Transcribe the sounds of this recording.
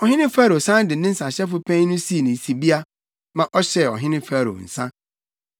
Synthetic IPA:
ɔ˨hɪ̃˦nɪ̃˦faː˦ɾo˨sã˦n˦dɪ˨˦nɪ̃˦n̩˦sã˨ɕɛ˦fʊ˨pʰæ̃˦nʊ̃˦si˦˨nĩ˨si˨bi˦a˦ | mã˨ʔɔ˦ɕɛ˨ɔ̰˨ɦɪ̃˦nɪ̃˦fæ˦˨ɾo̰˨n̩˨sã˦

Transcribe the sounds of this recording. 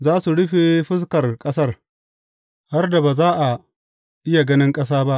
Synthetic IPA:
zaː˦su˨ɽʊ˦ɸe˨ɸɪ˦s̬kɐ˨rkʼɐ˦sɐ˦r | ha˦rda˨baː˨zaː˦ʔa˨ | ʔɪ˦ja˨ɡɐ˦nɪ˦ŋkʼɐ˦s̬aː˦ba˦ʔ

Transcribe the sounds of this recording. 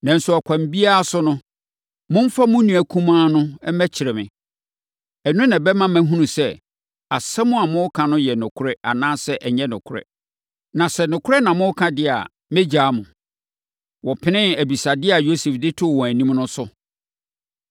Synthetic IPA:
nã˨n̩˨sʊ˦ɔ˨kʷʰã˨m˨bi˦a˦a˦sʊ˦nʊ̃˦ | mʊ̃˦m̩˦fa˦mʊ̃˦nũ˨æ˨kʰũ˦mãː˦nʊ̃˦ɛ˦mæ˦t͡ɕʰɪ˨ɾɛ˨mɪ̰̃˨ | ɛ˨nʊ̃˦nã˨bɛ˦mã˦mæ̃˦ɦũ˦nũ˨sɛ˦˨ | a˨sɛ˦mʊ̃˦a˨mʊ̃˦kʰã˨nʊ̃˦jɛ˨nʊ̃˨kʰʊ˦ɾɛ˦a˨nãː˦sɛ˦ʔɛ˨ɲɛ̃˦nʊ̃˨kʰʊ˦ɾɛ̰˦˨ | nã˨sɛ˦nʊ̃˨kʰʊ˦ɾɛ˦nã˨mʊ̃˦kʰã˦dɪ˦a̰˨ | mɛ̃˦d͡ʑaː˨˦mʊ̃˨ | wɔ˨pʰɪ˦nɪ̃˦æ˨bi˨sa˨dɪ˦a˨jo˦sɛ˨fdɪ˦tʰʊ˦˨wɔ̃˨æ˨nĩ˦mnʊ̃˦sʊ˦

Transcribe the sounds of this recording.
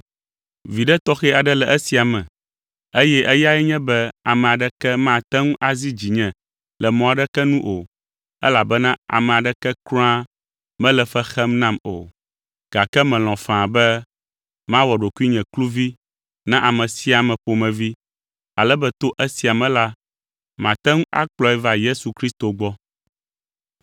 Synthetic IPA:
vi˨ɖɛ˦t̪ɔ˦xɛ˦a˨ɖɛ˦lɛ˨ʔɛ˦si˨a˨mɛ̃˨ | e˦jɛ˦ʔɛ˦ja˦ɛ˦ɲɛ̃˦bɛ˦a˨mɛ̃˨a˨ɖɛ˦kɛ˦mã˦˨t̪ɛ˦ŋũ˦ʔa˨zi˦d͡ʑi˨ɲɛ̃˨ | lɛ˨mɔ̃˨a˨ɖɛ˦kɛ˦nũ˦ʔo˨ | ɛ̰˦la˨bɛ˦nã˦a̰˨mɛ̃˨a˨ɖɛ˦kɛ˦kɾɔ̃˦a˦ | mɛ̃˦lɛ˨fɛ˦xɛ˦mnã˦mo̰˨ | ɡ̥a˨kɛ˦mɛ̃˨lɔ̃˨fã˨a˨bɛ˦ | mã˦wɔ˨ɖo˨ku˦i˦ɲɛ̃˨klu˦vi˦ | nã˦ʔa˨mɛ̃˨si˦a˨mɛ̃˨ɸo˨mɛ̃˨vi˦ | a˨lɛ˦bɛ˦t̪o˦ʔɛ˦si˨a˨mɛ̃˦la˦ | mã˨t̪ɛ˦ŋũ˦ʔa̰˦k͡plɔ˦ɛ˦va˦je˦su˨kɾi˦st̪o˨ɡ͡bɔ˦

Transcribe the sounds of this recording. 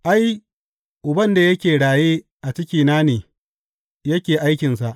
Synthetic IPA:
ʔa˦j | ʔʊ˨bɐ˦nda˨jɐ˦kʲeː˨ɽaː˨jeː˦ | ʔa˨t͡ʃɪ˦kʲiː˨naː˦neː˨ | jɐ˦kʲeː˨ʔa˦jkʲɪ˨ns̬a˨ʔ

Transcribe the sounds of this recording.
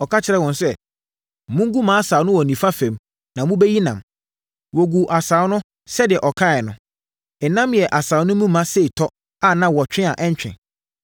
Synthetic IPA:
ɔ˨kʰa˦t͡ɕʰɪ˨ɾɛ˦wɔ̃˨nsɛ˦˨ | mʊ̃˦ŋ˦ɡu˦mãː˨˦a˦saː˨˦nʊ̃˦wɔ˨nĩ˨fa˦fɛ̃˨m | nã˨mʊ̃˦bɛ˦ji˦nã̰˨m | wɔ˨ɡu˨ʔa˨saː˨˦nʊ̃˦ | sɛ˦dɪ˨ɛ˨ʔɔ˨kʰa˦ɛ˨nʊ̃˨ | ɛ˨nã˦mjɛ˨ʔa˨saː˨˦nʊ̃˦mũ˦mã˦se˦i˨tʰɔ˦ | a˦nã˨wɔ˨t͡ɕᶣɪ̃˦a̰˨ʔɛ̃˦ɲ˦t͡ɕᶣɪ̰̃˨

